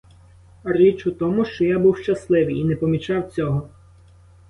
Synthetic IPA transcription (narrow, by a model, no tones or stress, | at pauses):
rit͡ʃʊt̪ɔmʊʃt͡ʃɔjabuwʃt͡ʃɐslˠɪʋijinɛpɔmʲit͡ʃɑwt͡sʲɔɦɔ